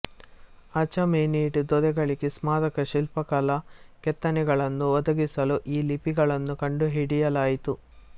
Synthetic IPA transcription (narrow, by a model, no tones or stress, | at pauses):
ɐt͡ʃɐmeːniːʈd̪ɔd̪ɛɡɐɭiɡesmaːɾɐkɐʃilpɐkɐlɐkɛt̪ːɐnɛɡɐɭɐnːuʋɔd̪ɐɡisɐluʔiːlipiɡɐɭɐnːukɐɳɖuɦiɽijɐlaːjit̪u